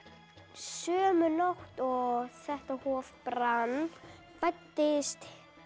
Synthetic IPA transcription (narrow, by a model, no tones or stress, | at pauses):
sœːmʏnoht̪ɔɣθɛht̪ahɔːvpɾanː | fajt̪ːɪst̪